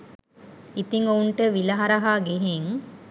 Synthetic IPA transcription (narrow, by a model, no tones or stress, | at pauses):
it̪iŋouɳʈəʋilɐɦɐɾɐɦaːɡeɦeŋ